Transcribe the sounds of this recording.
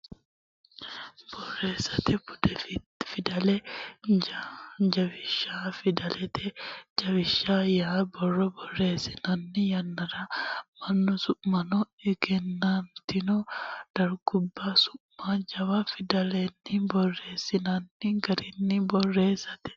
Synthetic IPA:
b̥ɔrːeːsɐt̪ɛʊd̪ɛf | fɪd̪ɐlɛ | d͡ʒɐbɪʃːafɪd̪ɐlɛt̪ʰɛd͡ʒɐβɪʃːaːjabɔrːɔbɔrːe̞ːsɪnɐnːɪjɐnːɐɾɐmɐnːɔsʊʔmɐnɔɛɡɛnːant̪ɪnɔd̪̥ɐɾɡʊbːasʊʔmad͡ʒɐwafɪd̪ɐlɛnːɪbɔrːe̞ːsːɪnɐnːɪɡɐɾɪnːɪbɔrːe̞ːsɐt̪ɛ̥

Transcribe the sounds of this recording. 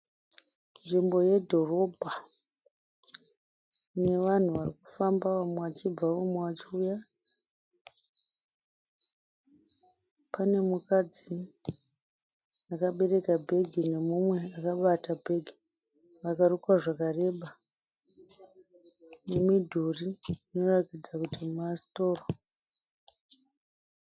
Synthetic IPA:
nʐimbo̞je̞dʱo̞ro̞bʱa | ne̞ʋan̤uʋariku̥fambaʋamweʋat͡ʃib͡vaumweʋat͡ʃiuja | pane̞mukad͡zi | akaɓe̞ɾe̞kabʱe̞ɡʱine̞mumwe̞akaɓatabʱe̞ɡʱi̥ | ʋakarukwaʐakare̞ːɓa | nemidʱuriino̞ratid͡zakutimuasi̥to̞ːro

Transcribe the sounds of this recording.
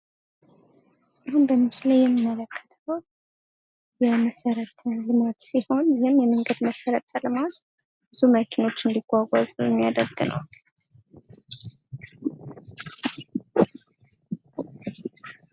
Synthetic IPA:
ʔahunbəmɨslajɛmːimːələkʰːə̥t̪ʰəw | jɛməsəɾət̪ʰəlɨmat̪siho̞njɛhɨmjɛməŋɡəd̪məsəɾət̪ʰəlɨmat̪ | b̥ɨzuməkʰeno̞t͡ʃːɨnd̪iɡʷaɡʷa̰zʼujɛmːijad̪əɾɡɨnə̰w

